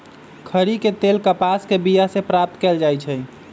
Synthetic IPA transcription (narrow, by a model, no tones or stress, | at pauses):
kʰəɾiket̪elkəpaskebijasepɾap̚t̪kɛld͡ʒajt͡ʃʰɛ